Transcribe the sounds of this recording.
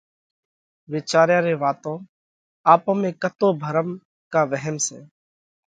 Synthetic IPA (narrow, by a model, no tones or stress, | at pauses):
ʋɪːt͡ʃaːɾjãːɾeːʋaːt̪õː | aːpõːmẽːkət̪oːbʱəɾəm | kaːʋəɦəmsḛ̃ː